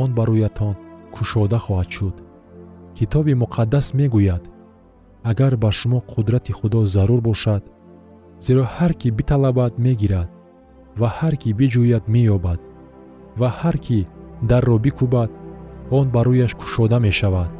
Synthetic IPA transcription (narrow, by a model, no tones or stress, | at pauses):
ɔnbaɾujat̪ʰɔnkʰuʃɔd̪aχɔhad̪ʃud̪̥ | kʰit̪ʰɔbimuqʰad̪ːasme̞ɡujad̪̥ | aɡaɾbaɾʃumɔqʰud̪ɾat̪ʰiχud̪ɔzaɾuɾbɔʃad̪̥ | z̥eɾɔhaɾkʰibit̪ʰalabad̪me̞ɡiɾad̪̥̚ | vahaɾkʰibid͡ʒujad̪mejɔbad̪̥ | vahaɾkʰid̪arːɔbikʰubad̪ɔnbaɾujaʃkʰu̥ʃɔd̪ame̞ʃavad̪̥